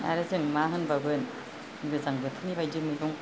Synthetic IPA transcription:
na̰ɾɯzɯŋmaɦɯnbabɯn | ɡɯzaŋbɯt̪ʰɯnibajdɯmibuŋ

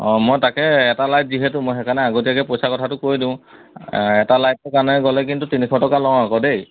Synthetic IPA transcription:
mojtakɛɛtalajt̚ziɦɛtʊmojxɛkʰanɛaɡot̬ijakɛpojsakɔtʰatʊkojdĩʊ̃ | ɛtalajt̚ːɔkanɛɡɔlɛkintutinikʰɔtɔkalɔ̃akɔdej

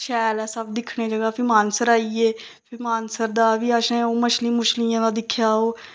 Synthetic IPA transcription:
ʃɛːlɛːsəbd̪ɪkʰːɽeːd͡ʒəɡaːpʰɪɾmaːnsəɾaːiːeː | pʰɪmaːnsəɾd̪aːʋiːəʃẽːoːməʃliːmʊʃlijãːd̪aːd̪ɪkʰːjaːɦoː

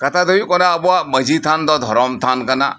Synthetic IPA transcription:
kɐt̪ad̪ojukɔnabuamɐd͡ʒit̪ʰand̪ɔd̪ʱɔɾɔmt̪ʰankɐna̰

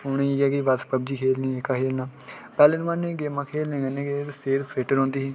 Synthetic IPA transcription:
ʊnẽiːɡɛːɡiʋaspəb̚d͡ʒiːkʰeːlnĩːekaːkʰeːlnaː | pɛːleːnmaːnːẽːɡeːmãːkʰeːlnẽːɡənẽːɡet̪ːseːɾseːʈəɾõːnd̪iːɦɛ̃ː

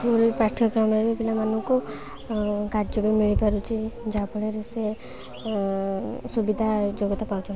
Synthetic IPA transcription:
ulpaʈʰɔɡɾɔmɾebepilamanuko | kaɾd͡ʒɔbemiɭipaɾut͡ʃʰid͡ʒapɔɭeɾese | subid̪ʱad͡ʒoɡɔt̪apawt͡ʃʰɔ

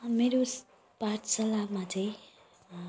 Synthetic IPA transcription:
meɾos | paʈʰsʌlabmat̪ʰej

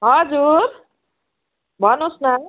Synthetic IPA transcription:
ɦʌd͡zuɾ | bʱʌnosnʌ

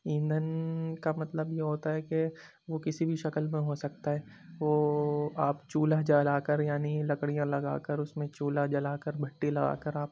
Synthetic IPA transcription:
ĩːnd̪ənkamɐt̪ləbjeɦoːt̪aɦɛke | ʋokɪsibʱiʃɐkəlmẽɦoːsɐkt̪aɦɛː | ʋoːaːpt͡ʃuːlad͡ʒɐlaːkəɾjaːnilɐkɽijãlɐɡa̰ːkəɾʊsmẽt͡ʃuːlad͡ʒɐlaːkəɾbʱɐʈːilɐɡa̰ːkəɾaːp̚

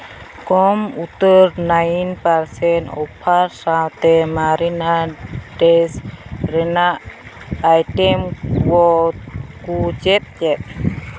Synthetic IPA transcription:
kɔmut̪ərnajinparsɛno̰pʰarsawt̪emaɾinadɛsrenaʔː | jtɛmwɔkut͡ʃɛp̚t͡ʃɛp̚

